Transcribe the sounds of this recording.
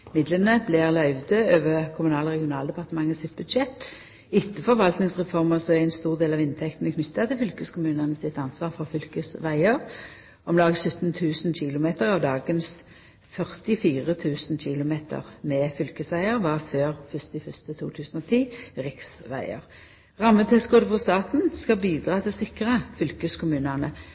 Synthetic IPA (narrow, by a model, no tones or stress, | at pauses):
mɪd̪lənəblɛʁlɑʏʋd̪əøːʋəkʰʊmʉnɑːləʁɛɡɪʊnɑːld̪ɛpɑʁt̪əmɑŋːəsɪt̪̚bʉd̪ʃɛt̪ː | ɪt̪ːəfɔɾʋɑlt̪nɪŋsʁɛfɔʁməʁsɔɛæɪnst̪uːʁd̪eːlɑːʋɪnt̪ʰɛkt̪n̩əkʰnʏt̪ːɑt̪ɪlfʏlkəskʰʊmʉːnənəsɪt̪ɑnsʋɑːʁfɔʁfʏlkəsʋæɪəʁ | ʔɔmlɑːɡsʉt̪nt̪ʰʉːsnɕɪlʊmeːt̪əʁɑʋd̪ɑːɡəns | fœʁt̪ɪfiːʁət̪ʰʉːsnɕɪlʊmeːt̪ʰə̰ʁmɛfʏlkəsʋæɪəʁʋɑʁføːʁfʏst̪ɪfʏst̪ət̪ʰuːt̪ʰʉːsn̩ɔt̪ʰiːʁɪksʋæ̰ɪə̰ʁ | ʁɑmːət̪ʰɛsɡoːd̪əfɔst̪ɑːt̪n̩skɑbiːd̪ʁɑːt̪ʰɪlsɪkʁəfʏlkəskʰʊmʉːnənə